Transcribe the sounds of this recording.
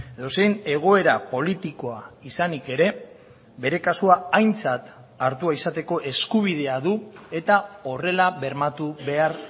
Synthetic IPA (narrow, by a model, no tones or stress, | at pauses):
eðose̞jne̞ɣ̞o̞e̞ɾapo̞lit̪iko̞aisanike̞ɾe̞ | be̞ɾe̞kasuaajnt͡sat̪ | aɾt̪uaisat̪e̞ko̞ʔe̞skuβ̞iðe̞aðue̞t̪ao̞re̞laβe̞ɾmat̪uβe̞ar